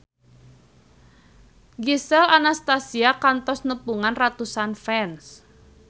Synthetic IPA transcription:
ɡisɛlanast̪asiakant̪ɔsnəpuŋanrat̪usanfɛns

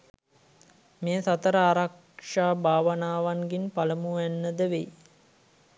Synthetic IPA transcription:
meːsat̪əɾəaːɾak | ʂaːbʱaːʋənaːʋaŋɡinpaləmuænːəd̪əʋej

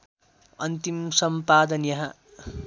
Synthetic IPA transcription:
ʌnt̪imsʌmpaːd̪ʌnjɐɦɐ

